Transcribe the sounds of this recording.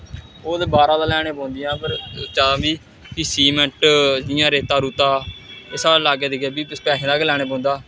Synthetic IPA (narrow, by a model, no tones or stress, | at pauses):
oːd̪eːbaːɾãːd̪aːlɛːɽ̃eːpɔ̃ːnd̪ɪjãːpəɾt͡ʃaãːbiː | kisiːmɛ̃ɳʈd͡ʒɪjãːɾeːt̪aːɾuːt̪aːoːsaːaːlaːɡeːd̪eːɡɛːbiːspɛːʃʰd̪aːkeːlɛːɽ̃eːp̬ɔ̃ːnd̪aː